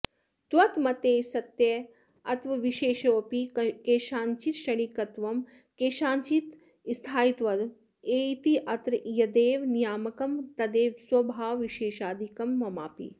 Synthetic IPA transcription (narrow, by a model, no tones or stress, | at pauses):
t̪ʋɐt̪mɐt̪eːsɐt̪jɐ | ɐt̪ʋɐʋiʃeːʃoːpikeːʃaːɲt͡ʃit̪ʃɐɽ̃ikɐt̪ʋɐm | keːʃaːɲt͡ʃit̪ | st̪ʰaːjit̪ʋɐd̪ | eːt̪iʔɐt̪ɾjɐd̪eːʋnijaːmɐkɐmt̪ɐd̪eːʋswɐbʱaːwʋiʃeːʃaːd̪ʱikɐmːɐmaːpḭ